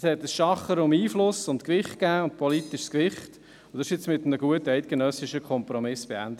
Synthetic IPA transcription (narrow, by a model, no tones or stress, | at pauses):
shɛt̪əsʃɑχəɾʊmiːflʊsʊntkʋɪχt̚kæːʊnt̚pʰɔlitɪʃskʋɪχt | ʊd̥̪ɑʃɪt͡smɪt̪əm̩əɡuətəæɪt̚kenœsɪʃəkχɔmpɾɔmɪsb̥eænd